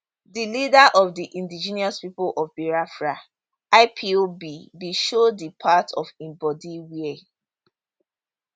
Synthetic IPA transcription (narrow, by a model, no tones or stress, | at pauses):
dilidaʔɔvdiʔĩndid͡ʒiniaspipolʔɔvbiɹafɹa | aɪpʰiobibiʃodipʰatʰɔfĩmbɔdiwiɛ